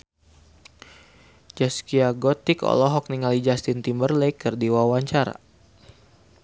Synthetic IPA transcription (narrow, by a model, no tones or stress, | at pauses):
d͡ʒaskiaɡɔt̪ikɔ̰lɔɦɔk̚niŋalid͡ʒast̪int̪imbərlejkərdiwawaɲt͡ʃaɾa̰